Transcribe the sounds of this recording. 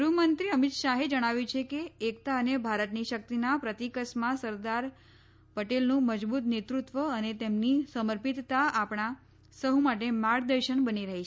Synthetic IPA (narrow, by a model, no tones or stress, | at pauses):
ɾumənt̪ɾiəmit̪ʃaɦed͡ʒəɽ̃aʋjũt͡ʃʰekeːkt̪aənebʱaɾət̪niʃək̚t̪inapɾət̪ikəsmãsəɾd̪aɾ | pəʈelnũməd͡ʒbut̪net̪ɾut̪ʋəənet̪emnisəməɾpit̪ːaapɽ̃a | səɦumaʈemaɽd̪əɾʃəɳbəniɾəɦit͡ʃʰe